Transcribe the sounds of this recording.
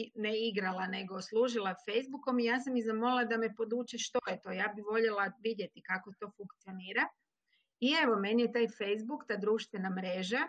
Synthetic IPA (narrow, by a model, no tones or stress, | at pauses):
neiɡɾalˠane̞ɡoslˠuːʒilˠafejzbuko̞mijaːsamizamolilˠad̪ame̞po̞d̪uːt͡ʃeʃt̪ojet̪o̞ːjaːbiʋo̞ʎelˠaʋid̪je̞t̪ikako̞t̪o̞ːfuŋkt̪sio̞niːɾa | ie̞ʋo̞menijet̪aːjfejzbukt̪aːd̪ɾuːʃt̪ʋenamɾe̞ːʒa